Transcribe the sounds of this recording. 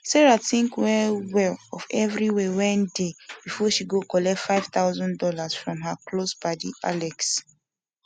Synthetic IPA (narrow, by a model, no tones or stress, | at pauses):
sɛɹaθĩŋkwɛwɛlɔvɛvɹiwɛwɔ̃ndebifɔʃiɡokɔlɛtfaɪv̥t̪aʊzɔ̃ndɔlasfɹɔ̃mɦaklosbadiʔalɛks